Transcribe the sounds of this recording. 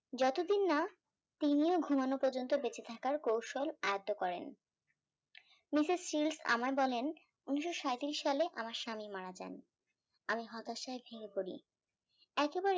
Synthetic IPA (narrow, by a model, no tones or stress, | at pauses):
d͡ʑɔt̪od̪inːa | t̪inioɡʱumanopɔɾd͡ʑont̪obet͡ɕet̪ʰakaɾkowʃolajot̪ːokɔɾḛn | misizʃilsa̰maebɔlen | uniʃːoʃaet̪iɾiʃːaleʔa̰maɾʃamimaɾad͡ʑa̰n | amiɦɔt̪aʃaebʱeɾipoɾḭ | ɛkebaɾe